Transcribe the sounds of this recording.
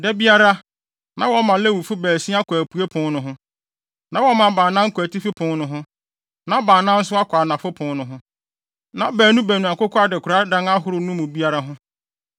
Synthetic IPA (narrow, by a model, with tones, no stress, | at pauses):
dɛ˦bi˦a˦ɾa˦ | nã̰˦wɔ˦mã˨lɛ˦˨wu˨fʊ˦bæː˨si˦a˦kʰʷæ˨pʰu˨e˦pʰʊ̃˦nnʊ̃˨ɦʊ̃˦ | nã˦wɔ˦mã˨bã˨nã˦ŋ̩˦kʰʷæ˨tʰi˦fi˦pʰʊ̃˨˦nʊ̃˦ɦʊ̃˦ | nã˦bãː˨nã˦n̩˦sʊ˦a˦kʷʰa˨nã˨fʊ˦pʰʊ̃˨nʊ̃˨ɦʊ̃˦ | nã˨˦bæː˨nũ˦bæ˨nũ˨a˨kʊ˦kʰɔ˦a˦dɛ˨kʰʊ˨ɾa˦dã˦na˦ɦʊ˨ɾʊ˨nʊ̃˦mʊ̃˨bi˦a˦ɾa˦ɦʊ̃˦